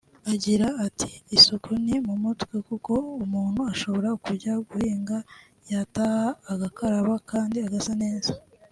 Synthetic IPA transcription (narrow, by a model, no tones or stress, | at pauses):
aɟiɾaːtʰi̥ːsukʰunimumutwekuko̞umuːn̥huaʃo̞βo̞ɾakuɾɟaɡuhiːŋɡa | jatahaːɡakaɾaβakaːndiaɡasane̞ːza